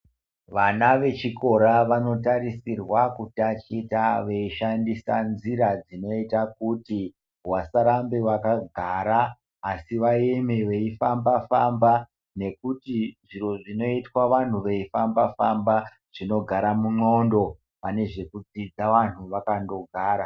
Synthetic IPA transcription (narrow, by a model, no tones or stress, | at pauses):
ʋanaʋe̞t͡ʃiko̞ɾaʋano̞taɾisirwakutat͡ʃitaʋe̞iʃandisanziɾad͡zino̞itakuti | wasaɾambewakaɡʱaɾaː | siʋajemeʋe̞ifambafamba | ne̞kutiʐiro̞ʐino̞itwaʋan̤uʋe̞ifambafamba | ʐ̥ino̞ɡʱaɾamuŋ͡ǃo̞ndo̞ | pane̞ʐe̞kud͡zid͡zaʋan̤uʋakando̞ɡʱaːɾa